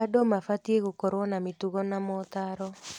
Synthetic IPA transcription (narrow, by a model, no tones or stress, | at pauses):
adɔmafat̪ieɣokɔɾwɔnamituɣɔnamɔt̪aɾɔ